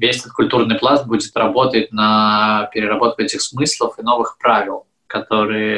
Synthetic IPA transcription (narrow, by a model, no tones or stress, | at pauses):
vʲesʲɛt̪ot̪kʊlʲt̪urnɨjplˠanbudʲɪt̪rɐbo̞t̪ətʲnəpʲɪɾʲɪɾɐbo̞t̪kʊɛtʲɪxsmɨslˠəfɨno̞vɨxpɾavʲɪlˠ | kɐt̪oɾɨjə